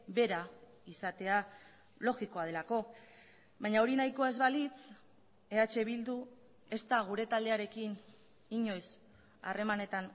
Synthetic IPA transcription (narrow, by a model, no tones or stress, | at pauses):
be̞ɾa | isat̪e̞a | lo̞ɣiko̞að̞e̞lako̞ | βajɲao̞ɾinajko̞e̞zβalit͡s | e̞at͡ʃe̞βild̪u | e̞st̪aɣ̞uɾe̞t̪ald̪e̞aɾe̞kin | iɲo̞js | a̰re̞mane̞t̪an